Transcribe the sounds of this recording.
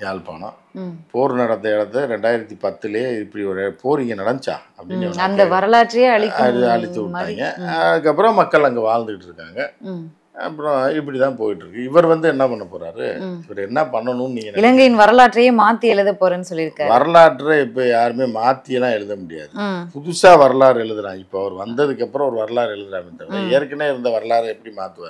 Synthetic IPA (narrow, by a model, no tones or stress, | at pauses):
jaːlpa̰ːɳɐ̰̃ | poːɾnɐɽɐt̪ːɐɛɽɐt̪ːɯɾɛɳɖaːjɪɾɐt̪ːipɐt̪ːɯlɐjeɪpːɐɽiɔɾpoːɾniŋɡɐnɐɽɐnt͡ʃa̰ːɐpːɐɽɪnɐʋɐnɐndd̪ɐʋɐɾɐlaːʈɾɐjeɐɭɪkːɐɐɭɪt̪ːɯʋːaːŋɡɐɐðɯkːɐpːɯɾɔ̃mɐkːɐɭɐŋɡeʋaːɭnd̪ɯkɪʈːɯɾɯkːaːŋɡɐ | ɐ̰pːɯɾɔ̃ɪpːɐɽit̪ãːpoːjɪʈːɯɾɯkːɯɪʋɐɾʋɐnd̪ɯɛnːɐpɐɳːɐpːoːɾa̰ːɾɯ̰ɪpːɐɾɐɛnːɐpɐɳːɐnʊ̃nniːŋɡɐnɪlɐŋɡɐjɪnʋɐɾɐlaːʈɾɐjeːmaːt̪ːɪjɛɻɯðɐpːoːɾẽnːɯsɔlːɪɾɯkːaːɾʋɐɾɐɭaːʈːɾɐɛpːɐijaːɾɯmeːmaːt̪ːɪjɐlãːɛɭɻɯðɐmʊɽɪja̰ːðɯpʊðʊsaːʋɐɾɐɭaːɾɛɭɯðɯnãːɪpːoɐʋɐɾʋɐnd̪ɐðɯkːɐpːɯɾɔ̃ɔɾɯʋɐɾɐɭaːɾɛɭɯðɯlaːmt̪ːɐɐɐɛɾkːɐneːɪɾɯnd̪ɐʋɐɾɐɭaːɾɐɛpːɐɽimaːt̪ːɯʋaːɾ